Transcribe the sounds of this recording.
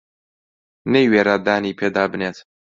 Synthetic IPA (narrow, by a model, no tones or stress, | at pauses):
nejweːɾaːd̪aːniːpʰeːd̪aːbɨneːt̪